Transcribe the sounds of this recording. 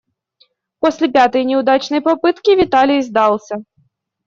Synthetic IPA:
pɔsʲlʲɛpʲat̪ɐjnʲɛwd̪at͡ʃnɐjpɔpɨt̪kʲivʲit̪alʲijzd̪alˠsʲɐ

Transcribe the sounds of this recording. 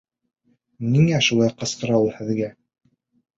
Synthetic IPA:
niŋæʃulˠɑjqɤ̆sqɤ̆ɾɑulˠhɘ̆ðɡæ

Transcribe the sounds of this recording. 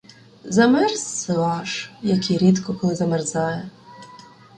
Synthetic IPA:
zɐmɛrsɪʋɑʃjɐkʲʰiɾʲit̪kɔkɔlˠɪzɐmerzɑjɛ

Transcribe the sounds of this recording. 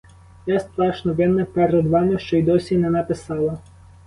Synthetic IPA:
jasp̪ɾɑʃnɔʋɪnːɐpɛɾɛd̪ʋɑmɪʃt͡ʃɔjd̪ɔsʲinɛnɐpɪsɑlˠɐ

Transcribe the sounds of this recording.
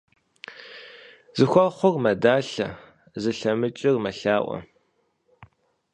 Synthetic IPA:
zɨxʷɔχʷʊrmɐdaːɬɐ | zɨɬɐmɨt͡ʃʼɪrmɐɬaːʔʷɔ̰

